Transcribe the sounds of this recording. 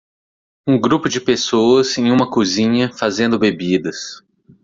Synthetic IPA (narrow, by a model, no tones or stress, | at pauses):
ũɡɾupʊd͡ʒɪpesowɐzẽj̃ũmɐkuzĩɲɐfazẽnd̪ʊbebid̪ɐs